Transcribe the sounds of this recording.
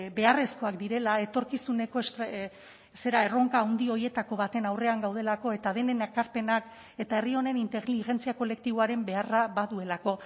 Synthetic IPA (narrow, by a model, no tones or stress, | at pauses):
be̞are̞sko̞akd̪iɾe̞lae̞t̪o̞ɾkisune̞ko̞s | se̞ɾae̞ro̞ŋkaːwnd̪io̞ɾie̞t̪ako̞βat̪e̞nawre̞aŋɡawð̞e̞lako̞e̞t̪að̞e̞ne̞nakaɾpe̞nak | e̞t̪ae̞rio̞ne̞nint̪eɣliʝe̞nt͡siako̞le̞k̚t̪iβo̞aɾe̞mbe̞araβaðue̞lako̞